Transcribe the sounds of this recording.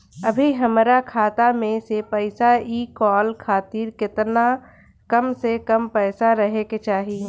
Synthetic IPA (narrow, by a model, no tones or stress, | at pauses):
ɐbʱiɦɐmɾakʰaːt̪amẽsepɛɪsaiːkɔːlkʰaːt̪iːɾkɪt̪na | kəmsekəmpɛːsaɾɐɦeket͡ʃaːɦi